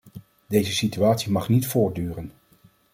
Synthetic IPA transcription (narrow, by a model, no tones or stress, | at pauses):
dejzəsityaːtsimɑχnitfʊːɹt̚dyːrən